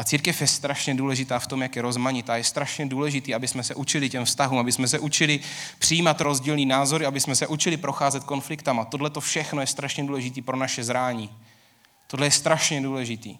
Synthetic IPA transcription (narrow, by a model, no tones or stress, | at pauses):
ʔat͡siːɾkɛfjɛst̪ɾaʃɲɛduːlɛʒɪt̪aːft̪o̞mjakjɛɾo̞zmaɲɪt̪aːjɛst̪ɾaʃɲɛduːlɛʒɪt̪iːabɪsmɛsɛʔut͡ʃɪlɪcɛmfst̪aɦuːmabɪsmɛs̬ɛʔut͡ʃɪlɪpr̥ɪjiːmat̪ɾo̞zɟiːlniːnaːzo̞ɾɪabɪsmɛsɛʔut͡ʃɪlɪpɾo̞xaːzɛt̪̚ko̞nflɪkt̪amat̪o̞dlɛt̪o̞fʃɛxnojɛst̪ɾaʃɲɛduːlɛʒɪt̪iːpɾo̞naʃɛzɾaːɲi | t̪odlɛjɛst̪ɾaʃɲɛduːlɛʒɪt̪ḭː